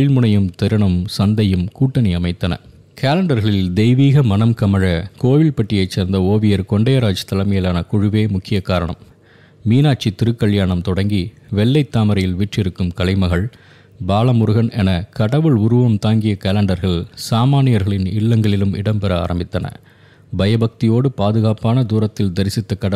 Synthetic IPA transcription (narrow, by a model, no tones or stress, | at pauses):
ɪlmɯnɐjɯmt̪ɛɾɯɳɐmsɐnd̪ɐjɯmkuːʈːɐnɐɪɐmɐɪt̪ːɐnɐ̰ | kaːlɐɳɖɐɾɣɐɭɪld̪ɛɪʋiːɣɐmɐnɐmkɐmɐɻɐkoːʋɪlpɐʈːɪjɐɪt͡ʃːeːɾnd̪ɐoːʋɪjɐɾkɔɳɖɐjɐɾaːd͡ʒɐ̥t̪ːɐlɐmɐjɐlaːnɐkʊɻʊʋeːmʊkːɪjɐkaːɾɐɳɐ̰mː | iːnaːʈ̚t͡ʃit̪ːɪɾɯkːɐɭjaːɳɐmt̪ɔɽɐŋɡiʋɛɭːɐɪt̪ːaːmɐɾɐjɪlʋiːʈrɪɾɯkːɯmkɐɭɐɪmɐɣɐɭ | baːlɐmʊɾɯɣɐnɛnɐkɐɽɐʋɯɭʊɾʊʋɐmt̪aːŋɡɪjɐkaːlɐɳɖɐɾɣɐɭsaːmaːnɪjɐɾɣɐɭɪnɪɭːɐŋɡɐɭɪlɯmɪ̰ɽɐmpɛɾɐa̰ːɾɐmbɪt̪ːɐnɐ̰ | bɐjɐbɐk̚t̪ɪjoːɽɯpaːðɯɣaːpaːnɐd̪uːɾɐt̪ːɪld̪ɐɾɪsɪt̪ːɐkːɐɐ